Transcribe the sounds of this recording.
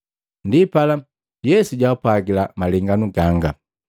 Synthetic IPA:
ndipala | jɛsuɟwaupwaɡilamalɛŋɡanuɡaŋɡa

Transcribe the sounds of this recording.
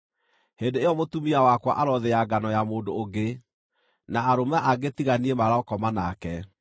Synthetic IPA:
hendeejɔmotumiawakwa̰ʔaɾɔðeaɡanɔjamoːndoːɡe | naːɾomaʔaɡetiɣaniemaɾaɔkɔmanakɛ

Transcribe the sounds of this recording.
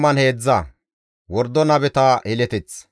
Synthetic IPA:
mɐnhe̞ːd͡zːɐ | wɔɾd̪ɔnɐbɛt̪ɐhɛlɛt̪ɛt͡s

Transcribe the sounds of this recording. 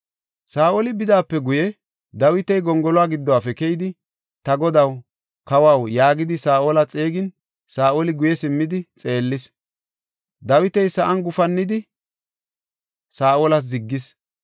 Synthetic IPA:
saːʔolɪbɪd̪aːpːɛɡʊjɛ | d̪ɐwɪt̪ɛjɡɔŋɡɔlɔwaːɡɪd̪ːɔwaːfɛkɛjɪd̪ɪ | t̪ɐɡɔd̪ɐw | kɐwawjaːɡɪd̪ɪsaːʔoːlɐt͡sʼeːɡɪn | saːʔolɪɡʊjɛsɪmːɪd̪ɪt͡sʼe̞ːlːɪs | d̪ɐwɪt̪ɛjsɐʔɐnɡʊfɐnːɪd̪ɪ | saːʔolɐs̬zɪɡːɪs

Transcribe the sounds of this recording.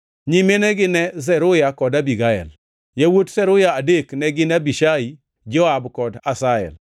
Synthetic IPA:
ɲimenɛɡɪnɛz̬ɛɾʊjakɔdabiɡaɛ̰l | jawotsɛɾʊjaːdeknɛɡɪnabiʃai | d͡ʒɔabkɔdasaɛ̰l

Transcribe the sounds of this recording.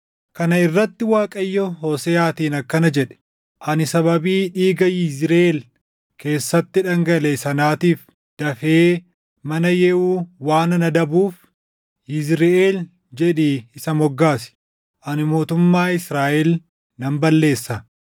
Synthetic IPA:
kɐnɐɪrːɐt̪ːɪwaːkʼɐjːɔɦoːsɛaːt̪iːnɐkːɐnɐd͡ʒɛᶑɛ̥ | ʔɐnɪsɐbɐbiːᶑiːɡɐjɪzɾel | ke̞ːsːɐt̪ːɪᶑɐŋɡɐlesɐnaːt̪iːf | d̪̥ɐfeː | mɐnɐjɛʔuːwaːnɐnɐd̪ɐbuːf | jɪzɾɪʔeːl | d͡ʒɛᶑiɪsɐmɔɡːaːsɪ̥ | ʔɐnɪmo̞ːt̪ʊmːaːɪsɾaːʔɛl | nɐmbɐlːe̞ːsːɐ

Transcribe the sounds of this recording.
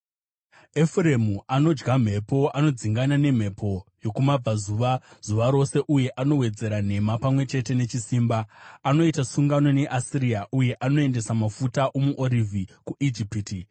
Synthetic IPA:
efure̞muʔano̞d͡ʒɡam̤e̞po̞ʔano̞d͡ziŋɡanane̞m̤e̞pʰo̞jo̞kumab͡vazuʋaz̥uʋaɾo̞se̞ʔuje̞ʔano̞we̞d͡ze̞ɾan̤e̞mapamwe̞t͡ʃe̞te̞ne̞t͡ʃisiːmbaano̞itasuŋɡano̞ne̞ʔasiɾijaʔuje̞ʔano̞e̞nde̞samafutaʔomuʔoɾivʱikuʔid͡ʒipiti

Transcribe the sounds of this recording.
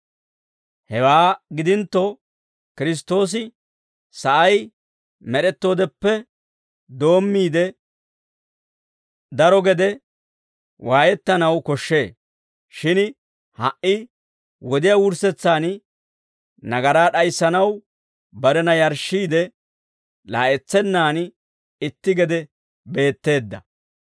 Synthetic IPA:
hɛwaːɡɪd̪ɪnt̪ːɔ | kɪɾɪs̬t̪ːo̞ːs̬ɪ | sɐʔɐj | mɛɗɛt̪ːo̞ːd̪ɛpːɛ | d̪o̞ːmːiːd̪ɛ | d̪ɐɾɔɡɛd̪ɛ | wʔaːjɛt̪ːɐnɐwkɔʃːe̞ː | ʃɪn | hɐʔɪ | wɔd̪ɪjaːwʊɾsɛt͡sːaːn | nɐɡɐɾaːɗɐjsːɐnɐw | bɐɾɛnɐjɐɾʃːiːd̪ɛ | laːʔɛt͡sːɛnːaːn | ɪt̪ːɪɡɛd̪ɛ | be̞ːt̪ːe̞ːd̪ːɐ

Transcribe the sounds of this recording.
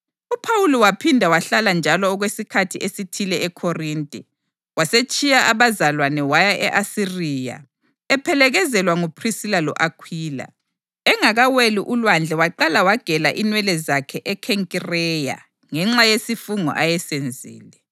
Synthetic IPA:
upʰawulɔwapʰindʱawaɬaland͡ʒʱalɔːɣwesikʰatʰiʔesitʰilɛɛkʰɔriːntʼɛ | waset͡ʃʼijaʔaβazalwanɛwajaʔɛʔasiriːja̰ | ɛpʰɛlɛɣɛzɛlwaŋupʰrisilalɔ̰ʔakʰwiːla̰ | ɛŋaɣaweliʔulwand͡ɮʱɛwaǃalawaɡ̥ʱɛlaʔinwɛlɛzakʰɛʔɛkʰɛŋkʼirɛja̰ | ŋɛŋ͡ǁajesifuŋɔ̰ʔajɛsend͡zʱḭːlɛ

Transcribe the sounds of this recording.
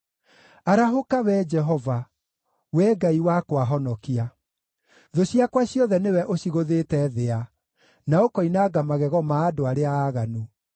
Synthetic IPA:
aɾaɦokawɛd͡ʒɛɦɔva | wɛːɡaiwakwaɦɔnɔkia | ðoɕiakwaɕjɔðɛnewɛʔoɕiɣoðetɛðea | naokɔinaːɡamaɣɛɣɔmaːdoaɾeaːɣanu

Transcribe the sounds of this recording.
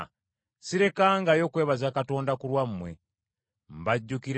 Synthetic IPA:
siɾe̞kaŋɡajo̞kwe̞ːβazakato̞ːndakulwammːwe̞ | m̩baɟːukiɾ

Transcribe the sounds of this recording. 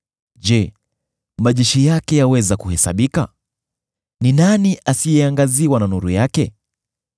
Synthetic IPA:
ʄɛ | maʄɛʃijakɛjawɛzakuhɛsa̰ɓika̰ | ninaniʔasijɛaŋɡaziwananuɾujakɛ

